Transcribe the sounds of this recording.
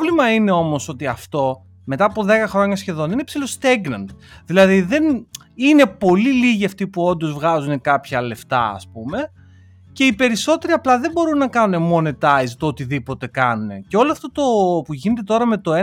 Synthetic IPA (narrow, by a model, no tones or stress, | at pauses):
limɐine̞o̞mo̞so̞t̪iɐft̪o̞ | me̞t̪ɐːpo̞ðe̞kɐxɾo̞ɲɐsçe̞ðo̞ninepsilo̞st̪eɡnɐnt̪ðilɐðiðe̞n | ine̞po̞liliʝiɐft̪ipuo̞nd̪o̞zvɣɐzune̞kɐpçɐle̞ft̪ɐ̰ɐ̰spume̞ | ce̞ipe̞ɾiso̞t̪e̞ɾiɐplɐðembo̞ɾunːɐkɐnune̞mo̞net̪ɐjzt̪oot̪iðipo̞t̪e̞kɐnune̞ceo̞loɐft̪o̞t̪opuʝine̞t̪e̞t̪o̞ɾɐme̞t̪o̞e